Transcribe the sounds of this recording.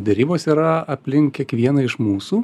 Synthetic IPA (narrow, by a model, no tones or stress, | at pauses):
d̪ʲɛɾʲiːboːsiːɾɐɐpʲlʲɪŋkkʲiɛkʋʲiɛnɐɪʃmuːsuː